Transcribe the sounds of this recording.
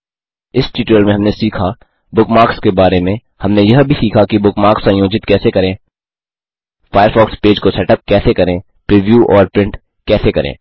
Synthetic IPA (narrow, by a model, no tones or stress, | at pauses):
ɪsʈiːʈəlmẽɦɐmnesiːkʰa | bʊkmaːkskebaːɾemẽ | hɐmnejɐɦbʱisiːkʰakibʊkmaːksãːjoːd͡ʒɪt̪kɛːsekɐɾẽː | fʰaːjəɾfɔːkspeːd͡ʒkosɛːʈəp̚kɛːsekɐɾẽː | pɾiːʋjuːʔɔːɾpɾɪ̃ɳʈ | kɛːsekɐɾʔḛ̃ː